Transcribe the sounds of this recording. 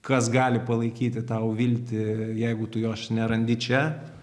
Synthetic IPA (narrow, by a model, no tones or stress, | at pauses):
kɐsɡɑːlʲɪpɐlˠɐɪkʲiːt̪ʲɪt̪ɐʊʋʲilʲt̪ʲɪjɛɪɡʊt̪ʊjoːʃnʲɛɾɐnʲd̪ʲɪt͡ʃʲɛ